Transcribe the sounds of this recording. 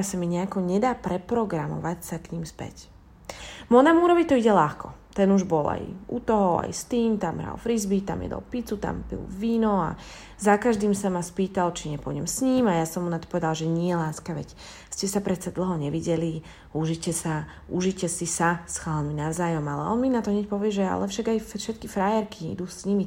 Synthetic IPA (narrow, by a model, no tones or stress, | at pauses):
samiɲɛakɔɲɛd̪aːpɾɛpɾɔɡɾamɔ̰ʋacsakɲiːmspɛ̰c | mɔnamuɾɔʋit̪ɔiɟɛlaxkɔ̰t̪ɛnuʒbɔla̰jut̪ɔɦɔa̰jst̪iːmt̪amɦɾa̰lfɾizbit̪a̰mjɛ̰d̪ɔ̰lpit͡sut̪a̰mbḭlʋiːnɔa̰ | zakaʒd̪iːmsamaspiːt̪alt͡ʃiɲɛpɔɲɛmsɲiːmajasɔmunat̪ɔ̥pɔʋɛd̪alʒɛɲɪɛɛlaːskaʋɛ̰c | scɛsapɾɛt͡sad̪l̩ˠɦɔɲɛʋiɟɛli | uʒicɛsa | uʒicɛsisasxaːlninaʊzaːjɔmalɛ̰ɔ̰nminat̪ɔɦɲɛc̚pɔʋɪɛʒɛa̰lɛfʃaɡajfʃɛt̪kifɾajɛɾkiḭd̪uːsɲimi